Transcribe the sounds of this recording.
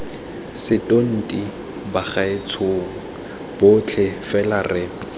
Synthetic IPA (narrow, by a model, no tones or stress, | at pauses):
sɪtʼon̩tʼi | baχaɪt͡sʰoːŋ̩ | b̥ʊt͡ɬʰɪfɛlarɪ